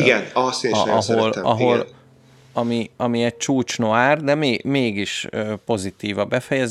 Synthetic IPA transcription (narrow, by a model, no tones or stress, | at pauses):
iɡɛnɒseɒɦolɒ̰ɦol | ɒmiɒmiɛc̚t͡ʃuːt͡ʃnoaːrd̪ɛmeːmeːɡiʃøːpo̞zit̪iːvɒbɛfɛjɛz